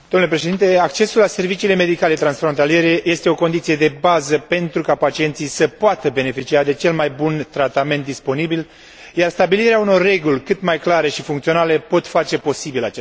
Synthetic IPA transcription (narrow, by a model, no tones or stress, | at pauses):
d̪omnulepɾe̞ʃed̪int̪e̞ak̚t͡ʃe̞sulːase̞rvit͡ʃiːle̞me̞d̪ikalet̪ɾansfɾont̪alije̞ɾe̞je̞st̪e̞o̞ko̞nd̪it̪sijed̪e̞bazəpe̞nt̪ɾukapat͡ʃie̞nt̪sisəpoat̪əbe̞ne̞fit͡ʃiad̪e̞t͡ʃe̞lmajbunt̪ɾat̪ame̞nt̪d̪ispo̞nibil | jarst̪abiliɾeauno̞rːe̞ɡulʲkɨt̪majklaɾe̞ʃifuŋkt̪sio̞nale̞po̞t̪fat͡ʃe̞po̞sibilat͡ʃe